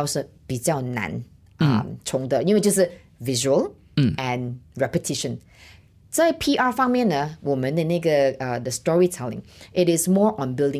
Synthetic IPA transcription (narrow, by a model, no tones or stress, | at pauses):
awsə | b̥isjaʊnã̰n | ʔa̰mt͡ʃʰɔ̃ŋdəĩod͡ʒusə | viʒuəl | ʔɛ̃nɹɛpətʰiʃə̃n | sopʰiʔafãŋmə̃nəwumə̃nẽneɡəədəstɔɹitʰɛlɪ̰̃ŋʔɪɾɪsmɔʔɔ̃nbildɪ̃